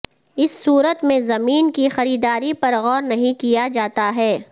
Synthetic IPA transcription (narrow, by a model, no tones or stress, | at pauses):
ɪsːuːɾət̪mẽzɐmiːnkixɐɾiːd̪aːɾipɐɾɣɔːɾnɐɦĩkijad͡ʒaːt̪aɦɛː